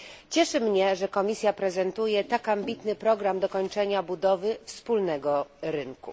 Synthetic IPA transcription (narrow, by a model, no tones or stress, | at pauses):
t͡ɕɛʂɘmɲɛʐɛkɔmʲisʲjapɾɛzɛnt̪ujɛt̪akambʲit̪nɘpɾɔɡɾamd̪ɔkɔɲt͡ʂɛɲabud̪ɔvɘfspulnɛɡɔɾɘŋkṵ